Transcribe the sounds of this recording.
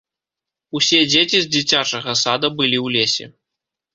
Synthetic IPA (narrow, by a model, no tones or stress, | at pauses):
usʲed͡zʲet͡sʲizʲd͡zʲit͡sʲat͡ʂɐɣɐsad̪ɐbɨlʲiwlʲesʲɛ̰